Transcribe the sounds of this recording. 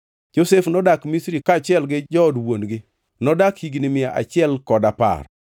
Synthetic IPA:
d͡ʒosefnɔdakmisɾikat͡ʃɪɛlɡɪd͡ʒɔdwonɡɪ | nɔdakhiɡnɪmɪaʔa̰t͡ʃɪɛlkɔdapa̰r

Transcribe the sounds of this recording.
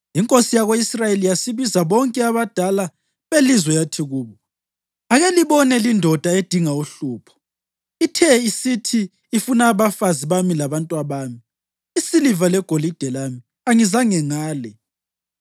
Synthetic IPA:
iŋkʼosijaɣoisrajelijasiβizaβɔŋkʼɛaβad̥ʱala | βelizwɛjatʰiɣuːβɔ | aɣeliβɔnɛlindʱɔd̥ʱaed̥ʱiŋauɬuːpʰɔ̥ | itʰɛisitʰiː | funaːβafaziβamilaβantʼwaβaːmi | isilivalɛɡ̥ʱolid̥ʱɛlaːmi | aŋizaŋɛŋaːlɛ

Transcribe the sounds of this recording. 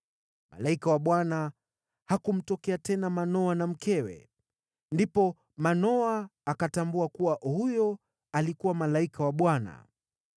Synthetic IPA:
ma̰laikawaɓwana | hakum̩tɔkɛatɛnamanɔanam̩kɛwɛ̰ | ndipɔ | manɔaːkatambuakuwaʔhujɔ | alikuwamalaikawaɓwana̰

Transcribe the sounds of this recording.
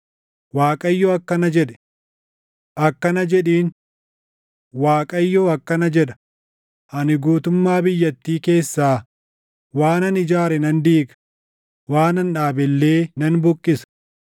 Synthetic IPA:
waːkʼɐjːoːɐkːɐnɐd͡ʒɛᶑɛ̥ | ʔɐkːɐnɐd͡ʒɛᶑiːn | waːkʼɐjːoːɐkːɐnɐd͡ʒɛᶑɐ̥ | ʔɐnɪɡuːt̪ʊmːaːbɪjːɐt̪ːiːke̞ːsːaː | waːnɐnɪd͡ʒaːɾɛnɐnd̪iːɡɐ̥ | waːnɐnᶑaːbɛlːe̞ːnɐnbʊkʼːɪsɐ̥

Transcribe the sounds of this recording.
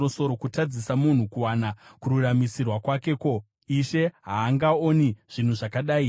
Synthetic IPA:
oso̞ɾo̞kutad͡zisamun̤ukuwanakururamisirwakwake̞ko̞ | iʃe̞ɦaːŋɡaoniʐ̥in̤uʐakaɗaːi

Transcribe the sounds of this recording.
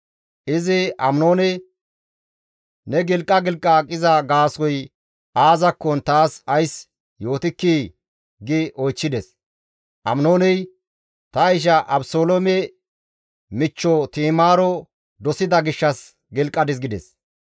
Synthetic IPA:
ʔɪzɪɐmno̞ːnɛ | nɛɡɪlkʼːɐɡɪlkʼːɐkʼɪzɐɡaːsɔj | aːzɐkːɔnt̪aːsɐjs | jo̞ːt̪ɪkːiː | ɡɪʔɔjt͡ʃːɪd̪ɛs | ʔɐ̰mnoːnɛj | t̪ɐjʃ̬ɐʔɐbsoːlomɛ | mɪt͡ʃːɔt̪iːmaːɾɔ | d̪ɔsɪd̪ɐɡɪʃːɐs | ɡɪlkʼːɐd̪ɪsɡɪd̪ɛs

